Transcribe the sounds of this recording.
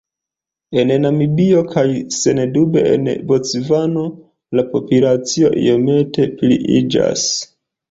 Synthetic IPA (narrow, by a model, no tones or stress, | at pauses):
e̞nnamibio̞kʰajse̞nedube̞̰ḛnbo̞t͡svano̞ | lapo̞pulat͡sio̞̰ʔḭome̞te̞plḭʔḭd͡ʒa̰s